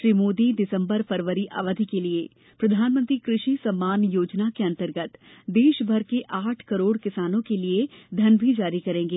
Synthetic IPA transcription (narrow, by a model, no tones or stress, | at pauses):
ʃɾiːmoːd̪idɪsə̃mbəɾfʰɐɾʋəɾiʔa̰ːʋəd̪ʱikelie | pɾɐd̪ʱaːnmə̃nt̪ɾikɾɪʃisɐmːaːnjoːd͡ʒnakeɐ̃nt̪əɾɡət̪d̪eːʃbʱɐɾkeʔaːʈʰkɐɾoːɽkɪsaːnõkelied̪ʱɐnbʱid͡ʒaːɾikɐɾẽːŋɡeː